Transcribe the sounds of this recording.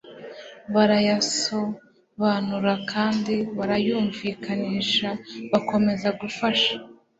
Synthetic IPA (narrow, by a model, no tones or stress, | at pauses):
βaɾajaso̞ | βanuɾakʰaːndiβaɾajuːɱviːkʰaniːʃaβako̞me̞zaɡufaʃḁ